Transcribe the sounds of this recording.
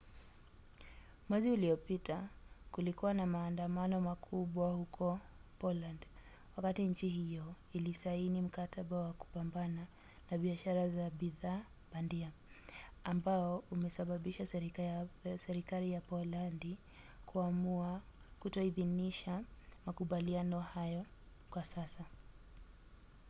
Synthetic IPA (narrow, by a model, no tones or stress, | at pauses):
mwɛziuliɔpitʰakulikuwanamaːndamanɔmakʰuɓwahukʰɔ | pɔland | wakatiɲt͡ʃiɦijɔ | ilisainim̩kataɓawaku̥pambana | naɓiaʃaɾazaɓiðaː | ɓandia | ambaɔumɛsaɓaɓiʃasɛɾ | sɛɾikalijapɔlandi | kuamua | kutɔiðiniʃamakuɓalianɔhajɔ | kwasasa